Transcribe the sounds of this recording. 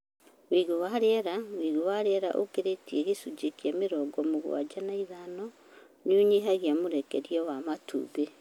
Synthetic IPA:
wiːɣowaɾeɾawiɣowaɾeɾa̰ʔokeɾetieɣesud͡ʒekjameɾɔɡɔmoɣw̰a̰d͡ʒanaiðanɔ | nuɲiɦaɣiamuɾekeɾjɔwamatʰṵβe

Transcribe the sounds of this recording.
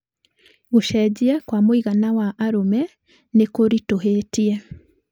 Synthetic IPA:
ɣoʃɛd͡ʑiɛkwamoiɣanawaʔaɾomɛ | nekoɾitoɦetiɛ

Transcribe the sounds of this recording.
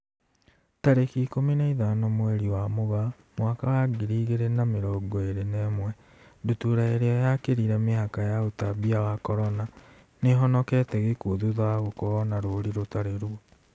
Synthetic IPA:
taɾekiːkominaiðanɔmwɛɾiwamoɣa | mwakawaɡiɾiːɣeɾenameɾɔːɡɔeɾenɛːmwɛ | dutuɾaeɾeɔjakeɾiɾɛmehakajaotabiawakɔɾɔna | neɦɔnɔkɛtɛɣekuoðuðaɣokɔɔnaɾoɾiɾotaɾeɾuɔ

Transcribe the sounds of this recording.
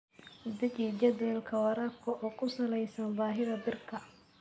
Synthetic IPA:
ʊd̪ɐt͡ʃid͡ʒɐd̪ɛːlkʰɐwɐɾaːfkʰɔʔɔːkʰʊsɐlɛjsɐnbaːɦɪðɐbɪrkʰɐ

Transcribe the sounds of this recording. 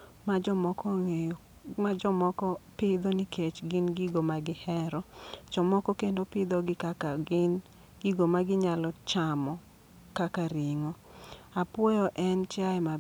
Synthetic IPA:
mad͡ʒɔmɔkɔŋe | mad͡ʒɔmɔkɔpɪd̪onikʰet͡ʃɡɪnɡiɡomaɡɪhɛɾɔt͡ʃɔmɔkɔkendopɪd̪ɔɡɪkakaɪn | ɡiɡomaɡɪɲalɔt͡ʃamɔ | kakaɾiŋo | apwojɔʔɛnt͡ʃaɛma

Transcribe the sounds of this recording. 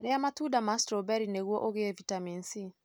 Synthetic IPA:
ɾeamatuːdamastɾobɛɾineɣwɔʔoɣevitaminsi

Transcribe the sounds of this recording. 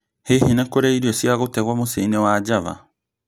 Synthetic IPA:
hehenɛkoɾɛiɾiɔsiaɣotɛɣwamoseinewad͡ʑava̰

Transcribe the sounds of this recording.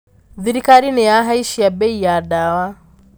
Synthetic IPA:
ðiɾikaɾinɛjaɦaiʃijabɛijadawa

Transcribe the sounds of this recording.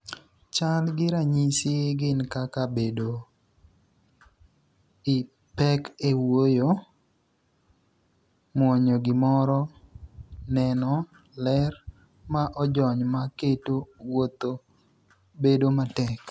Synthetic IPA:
t͡ʃalɡɪɾaɲisɪɡɪnkakabedo | ɪ | pɛkewojo | mwɔɲoɡɪmɔɾɔ | nɛnɔ | lɛr | maʔɔd͡ʒɔɲmaketowot̪o | bedomatɛk

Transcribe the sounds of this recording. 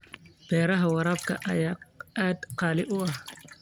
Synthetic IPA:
b̥ɛːɾɐɦɐwɑɾɑːbkʰɐ̰ʔɐ̰jaːaːd̪qɑːlɪʔʊɐh

